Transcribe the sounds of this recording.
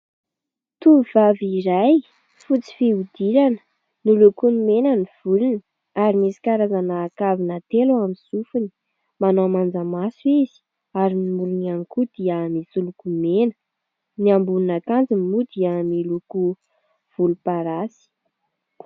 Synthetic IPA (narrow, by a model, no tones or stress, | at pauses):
t̪uvaviɾaj | fut͡si̥fiud̪̥iɾanə̥ | nilukunimenəniv̥ulunə | aɾimisi̥kaɾazanaːkavinat̪eluamisufuni̥ | manomand͡zamasuiz̥i̥ | aɾinimuɾunaŋkud̪̥iəmisulukumenə̥ | niambununakand͡zimmud̪iəmiluku | v̥ulupaɾasi̥